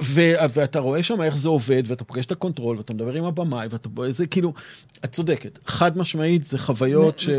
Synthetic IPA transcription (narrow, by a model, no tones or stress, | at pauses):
veveataʁo̞e̞ʃamae̞χzeo̞ve̞d̪veatapoɡe̞ʃe̥t̪ako̞ntʁo̞lveatamed̪abe̞ʁimabamajveatapoezekiːlu | at̚t͡so̞de̞ketχadmaʃmaitzeχavajo̞tʃe